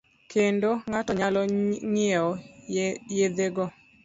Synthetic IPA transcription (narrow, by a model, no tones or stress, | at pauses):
kʰendoŋatɔɲalɔɲɪɔ | jed̪eɡɔ